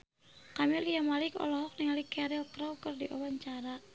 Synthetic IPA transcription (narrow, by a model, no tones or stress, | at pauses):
kamiliamalikɔ̰lɔɦɔk̚nɛŋalikɛɾɛlkɾawkərdiʔawaɲt͡ʃaɾa